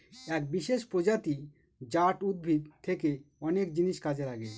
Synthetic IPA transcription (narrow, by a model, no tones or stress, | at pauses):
ɛk̚biʃeʃpɾod͡ʑat̪i | d͡ʑaʈud̪̚bʱid̪t̪ʰekeɔnekd͡ʑiniʃkad͡ʑelaɡe